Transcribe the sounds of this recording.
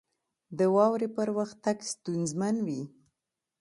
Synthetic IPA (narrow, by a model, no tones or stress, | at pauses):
d̪əwɑwɾepəɾwaxt̪akst̪unzmanwi